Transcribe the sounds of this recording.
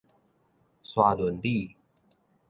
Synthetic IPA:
swa˧˩lwə˨˦nt̪i˥˨

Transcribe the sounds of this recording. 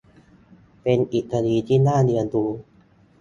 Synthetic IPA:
pe˧nʔi˨˩kʰa˧diː˧t̪ʰiː˥˩naː˥˩nɯ˧ənduː˧

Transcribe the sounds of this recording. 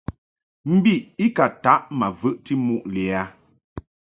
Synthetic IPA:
m̩˦bi˦˨i˦ka˨ta˨˦ʔma˨vɨ˦ʔti˦mu˦ʔli˨a˨˦

